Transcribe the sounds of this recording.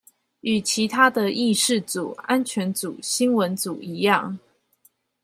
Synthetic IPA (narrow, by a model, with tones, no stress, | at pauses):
y˨˩t͡ɕʰi˨˥t̪ʰa˥d̪ə˨ʔi˥˧ʂɻ̩˥˩t͡su˨˩a˦˥nt͡ɕʰɥɛ˧˥nt͡su˨˩ɕi˥nwə˧˥nt͡su˨˩i˧˥jɑ˥˩ŋ